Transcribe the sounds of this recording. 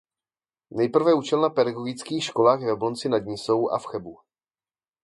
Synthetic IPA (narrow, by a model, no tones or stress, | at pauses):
nɛjpr̩vɛut͡ʃɛlnapɛdaɡoɡɪt͡skiːxʃkolaːxjɛvɛblont͡sɪnad̪ɲɪso̞wʔa̰fxɛbu